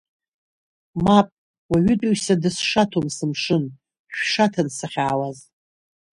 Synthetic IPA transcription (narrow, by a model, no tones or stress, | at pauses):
mapʼ | waɥʏtʼuɥsadɨsʂatʰomsɨmʂɨn | ʃᶣʂatʰansaχʲaːwaz